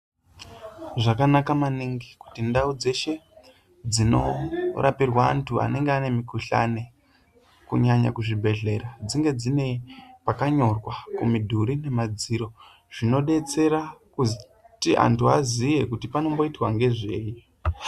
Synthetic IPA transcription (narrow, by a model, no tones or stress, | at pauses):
ʐakanakamaniŋɡiku̥tindaud͡ze̞ʃe̞ | d͡zino̞̰rʔapirwa̰ːntʰua̰ne̞ŋɡeane̞mikuɬa̰ne̞ | kṵɲaɲa̰kuʐibʱe̞ɮe̞ɾad͡ziŋɡe̞d͡zine̞pakaɲo̞rwakumidʱuɾine̞mad͡ziɾo̞ | ʐ̥ino̞ɗe̞t͡se̞ɾakuz | tiʔa̰ntʰuazije̞kutipano̞mbo̞itwaŋɡe̞ʐe̞ːji